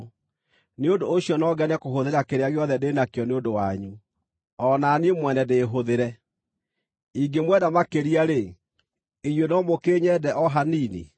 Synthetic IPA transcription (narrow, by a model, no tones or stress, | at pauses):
neondoːɕjɔnɔɡɛnɛkoɦoðeɾakeɾeaɣeɔðɛdenakeɔneondowaɲu | ɔnaniemwɛnɛdeːɦoðeɾɛ | iɡemwɛdamakeɾiaɾe | iɲwenɔmokeːɲɛdɛʔɔɦaniːnḛ